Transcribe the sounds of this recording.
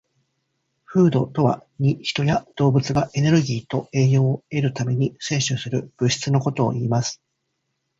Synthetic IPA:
ɸɯ̟ːd̪o̞t̪o̞βa̰ɲ̟içi̥t̪o̞jad̪̥o̞ːbɯ̟t͡sɨɡaʔe̞ne̞ɾɯ̟ɡʲiːt̪o̞e̞ːjo̞ːe̞ɾɯ̟t̪ame̞ɲ̟ise̞ːɕɨsɨɾɯ̟b̥ɯ̟ɕi̥t͡sɨno̞ko̞t̪o̞̰ːiːmasɨ̥

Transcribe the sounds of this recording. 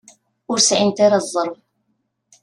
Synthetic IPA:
ʊɾsʕɪnt̪aɾazˤːəɾˤv

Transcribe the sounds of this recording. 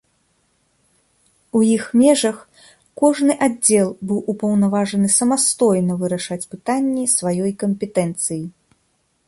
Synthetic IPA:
ujixmʲɛʐɐx | kɔʐnɨʔadd͡zʲɛlˠbɨwʔupɐwnavaʐɐnɨsɐmast̪ɔjnɐvɨɾɐʂat͡sʲpɨt̪anʲːisvajɔjkɐmʲpʲɛt̪ɛnt̪sɨji

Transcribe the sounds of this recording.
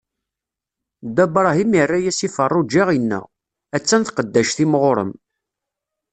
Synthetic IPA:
d̪æbɾˤɑɦimirːæjæsifərˤːud͡ʒiʁinːə̰ʁ | æt͡sːænθqəd̪ːæʃθimʁʊɾˤə̰m

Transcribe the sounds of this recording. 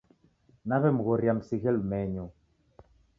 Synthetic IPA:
naβɛm̩ɣɔɾjamsiɣɛlmɛɲɔ

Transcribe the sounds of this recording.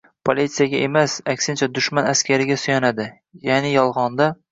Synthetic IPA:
pʰolʲit̪sɨjaɡʲaʔemasakʲsɪnt͡ʃʰad̪ʊʃmanaskʲaɾɪɡʲasʊjanad̪ɪ | janɪjɒlˠʁɒnd̪a

